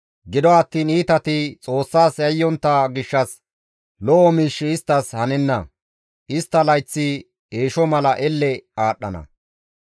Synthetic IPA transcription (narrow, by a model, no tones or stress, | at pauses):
ɡɪd̪ɔɐt̪ːiːniːt̪ɐt̪ɪt͡sʼo̞ːsːaːsɐjːɔnt̪ːɐɡɪʃːɐs | lɔʔɔmiːʃːɪɪst̪ːɐshɐnɛnːɐ̰ | ʔɪst̪ːɐlɐjt͡sːɪ | e̞ːʃɔmɐlɐʔɛlːɛaːɗːɐ̰nɐ̰